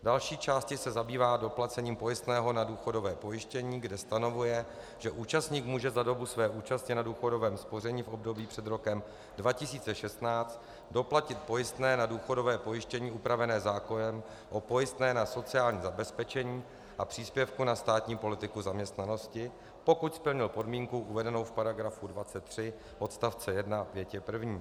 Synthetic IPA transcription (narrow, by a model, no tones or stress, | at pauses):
dalʃiːt͡ʃaːscɪsɛzabiːvaːdo̞plat͡sɛɲiːmpo̞jɪst̪nɛːɦo̞naduːxo̞do̞vɛːpo̞jɪʃcɛɲiːɡdɛst̪ano̞vujɛ | ʒ̥ɛʔuːt͡ʃast̪ɲiːkmuːʒɛzado̞busvɛːʔuːt͡ʃascɪnaduːxo̞do̞vɛːmspo̞r̝ɛɲiːfʔo̞bdo̞biːpr̥ɛd̪ɾo̞kɛm | dvacɪsiːt͡sɛʃɛst̪naːt͡st̪ | do̞placɪt̪̚po̞jɪst̪nɛːnaduːxo̞do̞vɛːpo̞jɪʃcɛɲiːʔupɾavɛnɛːzaːko̞nɛm | ʔo̞po̞jɪst̪nɛːnaso̞t͡sɪaːlɲiːzabɛspɛt͡ʃɛɲiː | ʔapr̥iːspjɛfkunast̪aːt̪ɲiːpo̞lɪt̪ɪkuzamɲɛst̪nano̞scɪ | po̞kucspl̩ɲɪlpo̞dmiːŋkuʔuvɛdɛnowfpaɾaɡɾafudvat͡sɛt̪ːr̝̥ɪ | ʔo̞t̪st̪aft͡sɛjɛdnapjɛcɛpr̩vɲiː